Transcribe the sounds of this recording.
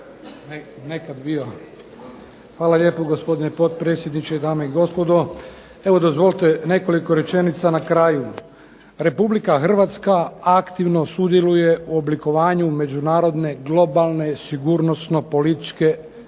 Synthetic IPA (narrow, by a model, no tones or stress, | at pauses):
ne | nekad̪bio | xʋaːlaʎe̞ːpoɡospo̞d̪inepo̞t̪̚pɾet̪sʲjed̪nit͡ʃed̪aːmeiɡo̞spo̞d̪o | e̞ʋo̞d̪o̞zʋo̞lˠt̪ene̞koliko̞ɾe̞t͡ʃe̞nit̪sanakɾaːju | ɾe̞publikaxr̩ʋat̪skaakt̪iʋno̞sud̪je̞luje̞uobliko̞ʋaːɲume̞d͡ʒunaːɾo̞d̪ne̞ɡlˠo̞balˠne̞siɡuɾno̞sno̞po̞lit̪i̥t͡ʃke̞